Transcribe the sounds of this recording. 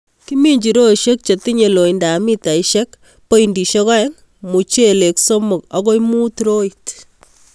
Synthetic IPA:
ki˦mi˦ɲd͡ʒi˨ɾo˦˨ʃe˦k̚t͡ʃe˨ti˦ɲe˨lo˨i˨nda˨mi˦ta˨i˦ʃe˦k | po˦indi˨ʃɔ˦kɔ˦ɛ˦ŋ | mu˨t͡ʃe˦˨le˨kso˦mʊ˨ka˨ko˦imu˦t̪ɾo˦i˨t

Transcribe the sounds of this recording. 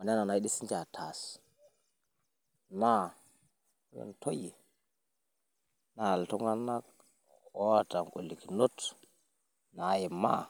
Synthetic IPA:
a˨n˦a˦na˨na˨i˦ɗi˦si˦nd͡ʒa˨tʰa˨s | na˦ | jo̰˨nto˦ji˨ | na˨ltu˦ŋɡa˦na˦k̚ | o˦wa˦ta˨ŋko˨lːi˨ki˨no˦t | na˨˦˨ji˨mːa˦

